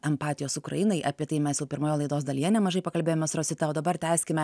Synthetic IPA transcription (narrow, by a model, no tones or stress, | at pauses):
ɛmpɑːt̪ʲɪjoːsʊkɾɐ̰jɪnɐɪʔɐpʲiɛt̪ɐɪmʲɛsjɛʊpʲɪɾmoːjoːlˠɐɪd̪oːsd̪ɐlʲijɛnʲɛmɐʒɐɪpɐkɐlʲbʲeːjomʲɛsɾoːsʲɪt̪ɑoːd̪ɐbɐɾt̪ʲæːsʲkʲɪmʲɛ